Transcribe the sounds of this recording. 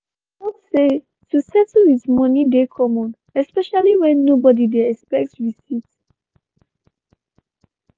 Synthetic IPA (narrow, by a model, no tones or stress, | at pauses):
ɔtse | tʰusɛtuhismʌnidekʰɔmɔ̃n | ɛspɛʃaliwɛ̃nːobɔdidɛɛkspɛk̚tsɹisit